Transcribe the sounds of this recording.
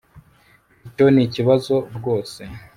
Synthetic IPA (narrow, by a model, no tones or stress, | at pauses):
ico̞niciβazo̞ɾɡo̞ːse̞